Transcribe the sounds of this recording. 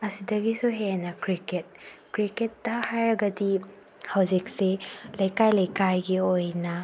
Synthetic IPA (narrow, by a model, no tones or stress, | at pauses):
ɐsidɐɡisuɦenɐkɾiket̚kɾiketːɐhajɾɐɡɐdi | hawd͡ʒik̚selɐjkajlɐjkajɡiojnɐ